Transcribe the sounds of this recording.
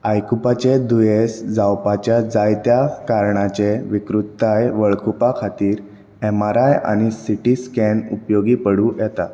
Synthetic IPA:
ajkupat͡ɕed̪ujesd͡zawpat͡ɕjad͡zajt̪jakaɾɳat͡ɕeʋikɾut̪ːajʋəɭkʰupakʰat̪iːɾ | ɛmaɾaja̰ɽ̃isiʈiskɛnupjoɡiːpəɽũjɛt̪a̰

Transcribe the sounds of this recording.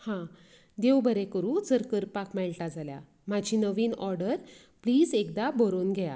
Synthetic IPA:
hã | d̪ewbəɾekəɾũd͡zəɾkəɾpakmɛɭʈad͡zalja̰ | mad͡ʑʱinəʋiːnɔɾɖəɾ | pliːd͡zekd̪abəɾoːnɡʱɛja̰

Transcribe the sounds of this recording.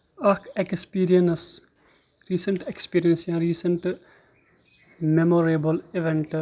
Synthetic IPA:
ɐkʰekspiːɾijɐns | ɾiːsɐɳʈekspiːɾijɐnsjãɾiːsɐɳʈ | memoɾebɐliʋeɳʈ

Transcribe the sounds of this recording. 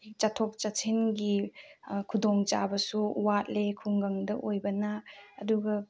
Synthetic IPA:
t͡ʃatʰɔk̚t͡ʃat͡ʃʰinɡi | kʰudoŋt͡ʃabɐsuuwat̚lekʰuŋɡaŋdɐʔojbɐnaːduɡɐ

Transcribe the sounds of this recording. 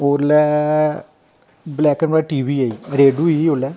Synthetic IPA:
oːɾlɛ | blɛːkːənbaʈiːʋiaiɾeːɖuiolɛ

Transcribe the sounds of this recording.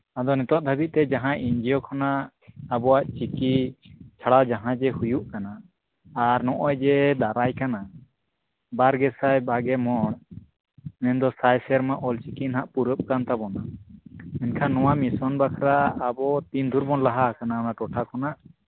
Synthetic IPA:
ad̪ɔnɛt̪ɔʔ̚d̪ʱabit̪̚t̪ɛd͡ʒaɦãʔiɲd͡ʒijɔkʰɔnaʔ | abɔwaʔt͡ʃikit͡ʃʰaɽad͡ʒaɦãd͡ʒɛhujuʔkanaː | ɾnɔʔɔjd͡ʒɛd̪aɾajkana | baɾɡɛsajbaɡɛmɔɳ | mɛnd̪ɔsajsɛɾmaʔɔlt͡ʃikinɦaʔpuɾəp̚kant̪abɔna | ɛnkʰanːɔwamisɔnbakʰɾaːbɔt̪ind̪ʱuɾbɔnlaɦakananaʈɔʈʰakʰɔnaʔ

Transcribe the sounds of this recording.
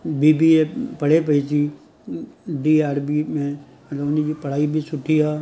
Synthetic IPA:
bʱiːbʱiepɐɽ̤ep̬ɐit̪i | ɖiːaːɾbimẽ | mət̪ləbʊnid͡ʒipɐɽ̤aːibʱisʊʈʰijaː

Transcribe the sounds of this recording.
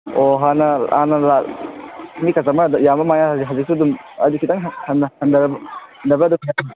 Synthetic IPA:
oɦanɐanɐla | mikɐzamɐdjamɐmajazɦɐzik̚sudumɐ̰dukʰitaŋɦhɐnhɐnd̪ɐɾɐbɐhɐnd̪ɐbɐːdukʰija

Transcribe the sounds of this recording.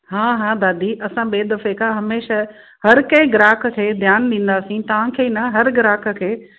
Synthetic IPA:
ɦãːɦãd̪aːd̪iːʔɐsãɓeːd̪ɐfekʰãɦɐmeːʃa | ɦɐɾkɐ̃ɪ̃ɡɾaːk̆ʰkʰeːd̪ʱjaːnɗ̪ĩːn̆d̪aːsĩt̪ɐʋ̤ãkʰeːnɐɦɐɾɡɪɾaːkʰə̆kʰeː

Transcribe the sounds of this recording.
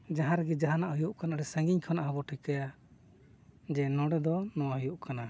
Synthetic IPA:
d͡ʒaɦaɾɡɛd͡ʒaɦanaʔhujuʔkanaʔɾɛsaŋɡiɲkʰɔnaʔɦɔbɔʈʰikaja | d͡ʒɛnɔɽɛd̪ɔnɔwaɦɔjuʔkana

